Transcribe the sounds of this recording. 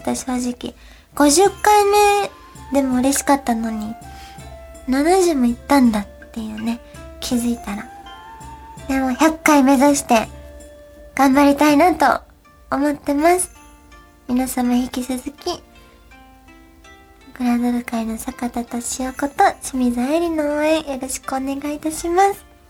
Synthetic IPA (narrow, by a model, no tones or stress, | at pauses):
t̪oɕo̞ːʑikʲḭ | ɡ̥o̞ʑɨkːaime̞ | d̪e̞mo̞ɯ̟ɾe̞ɕi̥kat̪ːano̞ɲ̟i | nanoʑɨmoit̪ːãnd̪at̪ːe̞jɯ̟ːne̞ | kʲʰizɨit̪aɾa | d̪e̞mo̞çʲakːaime̞zaɕi̥t̪e̞ | ɡ̥ãmbaɾʲit̪ainat̪o̞̰ː | mo̞t̪ːe̞masɨ̥ | mʲinasamaçikʲisɨzɨkʲi | ɡɯ̟ɾad̪oɾɯ̟kaino̞sakat̪at̪o̞ɕioko̞t̪o̞ɕimʲizaeɾʲino̞oẽjo̞ɾo̞ɕi̥kɯone̞ɡait̪aɕimasɨ̥